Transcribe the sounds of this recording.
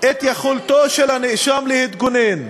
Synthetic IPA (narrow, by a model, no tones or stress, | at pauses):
ʔet̪jaχult̪oʃelhaniʔʃamlehit̪ɡunin